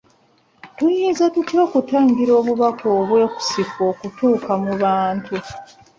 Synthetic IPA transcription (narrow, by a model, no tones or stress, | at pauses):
tujiːzatutjo̞ːkutaːɲɡiɾo̞ːβuβakoːβwe̞ːku̥sifo̞ːkutuːkamuβaːntu